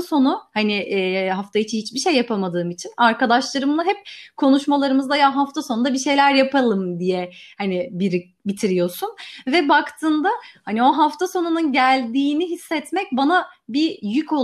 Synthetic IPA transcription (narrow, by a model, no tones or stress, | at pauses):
so̞nuhanɪʔːɦaft̪ʰajit͡ʃʰinhit͡ʃbiʃejːapʰamad̪ɯːmit͡ʃʰinaɾkad̪aʃlˠaɾɯmlˠaɦɛp̚kʰo̞nuʃmalˠaɾɯmɯzd̪ajaɦaft̪ʰasonud̪abiʃe̞jlʲæɾjapʰalˠɯmd̪ijɛhanɪbiɾi | bit̪ʰiɾijo̞sunvɛbakt̪ʰɯːnd̪ahanio̞ɦaft̪ʰaso̞nununɟælʲd̪iːniɦisːɛt̪mɛc̚banabijycʰo̞